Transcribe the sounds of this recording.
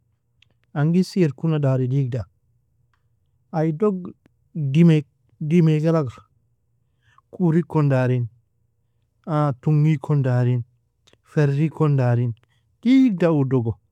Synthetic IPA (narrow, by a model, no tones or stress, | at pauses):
aŋɡisieɾkunadaɾidiɡ̚da | ajdoɡ | dime | dimeɡalaɡaɾ | kuɾikɔndaɾin | atuŋɡikʰɔndaɾin | feɾːikɔndaɾin | d̥iɡ̚daudɔɡo